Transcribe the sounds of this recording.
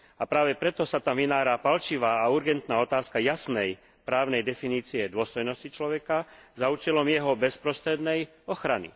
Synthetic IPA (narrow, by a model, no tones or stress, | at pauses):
apɾaːʋɛpɾɛt̪ɔsat̪amʋinaːɾapalt͡ʃiʋaːauɾɡɛnt̪naːɔt̪aːskajasnɛj | pɾaːʊnɛjd̪ɛfiniːt͡siɛd̪ʊɔst̪ɔjnɔscit͡ʃlɔʋɛkazauːt͡ʃɛlɔmjɛɦɔbɛspɾɔst̪ɾɛd̪nɛj | ɔxɾanḭ